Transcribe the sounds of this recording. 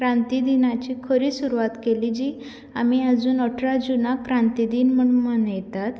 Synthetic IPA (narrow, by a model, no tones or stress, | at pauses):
kɾãnt̪id̪inat͡ɕiːkʰəɾiːsuɾuʋat̪keliːd͡ʑiː | amiəd͡zuːnɔʈʰɾad͡zunakɾãnt̪id̪iːnm̤əɳunməɳjɛt̪at̪